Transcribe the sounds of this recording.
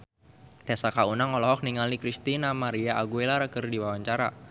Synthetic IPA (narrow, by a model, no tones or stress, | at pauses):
t̪esakaunaŋɔlɔɦɔk̚niŋalikɾist̪inamaɾiaaɡuelaɾəkərdiwawaɲt͡ʃaɾa̰